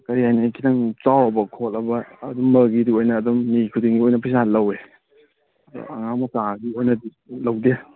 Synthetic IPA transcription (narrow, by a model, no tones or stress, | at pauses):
kɐɾihajnikʰidaŋt͡ʃawɐbɐkʰolɐbɐːdumːɐɡidiojnɐːdumnikʰudiŋɡiojnɐpʰisallɐwe | d̰ɐŋamɐtaɡiojnɐdi | lɐwde